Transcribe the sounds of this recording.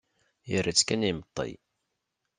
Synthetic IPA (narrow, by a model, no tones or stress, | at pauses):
jərːat͡sːkænimət̪ˤːḭj